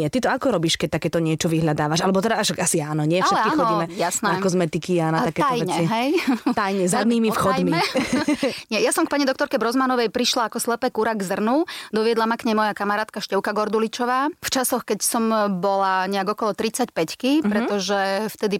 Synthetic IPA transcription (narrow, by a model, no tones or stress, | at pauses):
ɪɛt̪it̪ɔakɔɾɔbiːʃkɛc̚t̪akɛːt̪ɔɲɪɛt͡ʃɔʋiɦʎad̪aːʋaʃalɛbɔt̪ɛd̪aaʃaasiaːnɔɲɪɛfaʃɛlɛtkixɔiːmɛjasnɛakɔzmɛt̪ikianat̪akɛːtajɛɲɛiɦɛjt̪ajɲɛzad̪niːmifxɔj̪miɛ | ɲɛjasɔmkpaɲid̪ɔkt̪ɔɾkɛbɾɔzmanɔʋɛjpɾiʃlaːkɔslɛpɛkuɾaɡzr̩nud̪ɔʋɪɛd̪lamakɲɛmɔjakamaɾaːt̪̚kaʃcɛʊkaɡɔɾd̪ulit͡ʃɔʋaːft͡ʃasɔxkɛcsɔmbɔlaɲɛaɡɔkɔlɔt̪ɾit͡sacpɛckipɾɛt̪ɔʒɛft̪ɛd̪i